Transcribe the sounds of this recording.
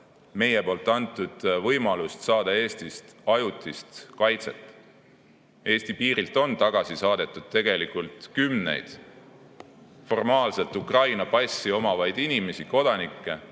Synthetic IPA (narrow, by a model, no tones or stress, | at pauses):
me̞je̞po̞ːlt̪ːˑɑnt̪ːˑud̪̥vɤjmɑlust̪sɑːd̪̥ɑe̞ːst̪ist̪ɑjut̪ˑist̪kɑjt̪se̞̰t̪ːˑ | e̞ːsʲt̪ipiːɾilt̪ːˑo̞nt̪ɑɡ̥ɑsisɑːd̪̥e̞t̪ːˑud̪̥̚t̪e̞ɡ̥e̞likult̪kymnḛjd̪̥ | fo̞rmɑːlselt̪ˑukrɑjnɑpɑsʲːio̞mɑvɑjd̪̥inime̞siko̞d̪̥ɑnikːe̞